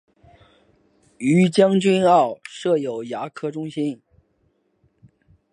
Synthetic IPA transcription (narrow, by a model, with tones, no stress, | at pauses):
y˧˥t͡ɕjɑ˥ŋt͡ɕy˥nɑ˥˩ʊʂɤ˥˩jo˨˩ʊja˧˥kʰɤ˥ʈ͡ʂʊ˥ŋɕi˥n